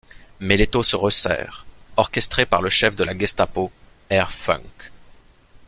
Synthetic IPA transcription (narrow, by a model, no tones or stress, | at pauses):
mɛlet̪osəʁəsɛ̰ːʁɔʁkʲɛst̪χepaʁləʃɛfd̪əlaɡɛst̪apo | ɛʁfɔ̰̃ŋk